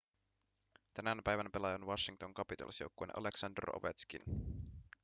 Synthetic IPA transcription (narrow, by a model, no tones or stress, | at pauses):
t̪ænænpæjʋænpe̞lɑjɑnʋɑʃːiŋt̪oŋkɑpit̪ɑ̰lḭsjo̰wkːoenʔɑ̰leksɑndə̰ro̰ʋḛt̪skḭn